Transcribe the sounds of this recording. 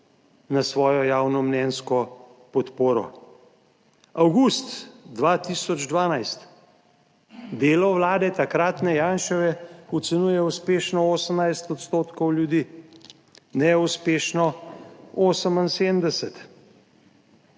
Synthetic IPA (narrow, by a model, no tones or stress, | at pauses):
nasʋɔːjɔjaːwnɔmnɛːnskɔpɔt̪poːɾɔ̰ | awɡust̪d̪ʋat̪iːsɔd͡ʒd̪ʋaːnajst̪ | d̪eːlɔwlaːd̪ɛt̪akɾat̪nɛjaːnʃɛʋɛut̪sɛnuːjɛuspeːʃnɔoːsəmnajst̪ɔt̪st̪oːt̪kɔwljud̪iː | nɛuspeːʃnɔ | oːsəminsed̪md̪ɛsɛt̪